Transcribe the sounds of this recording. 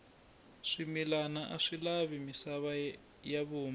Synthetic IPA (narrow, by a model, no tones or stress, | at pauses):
ʂimilanaʔaʂilaβimisaβa | jaβuːma